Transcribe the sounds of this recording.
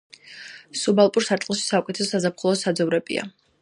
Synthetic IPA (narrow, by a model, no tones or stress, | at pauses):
subalˠpʼuɾsaɾt̪ʼlˠʃi̥sakʼit̪ʰɛsazapχulˠɔsad̪zɔvɾɛbʼḭa̰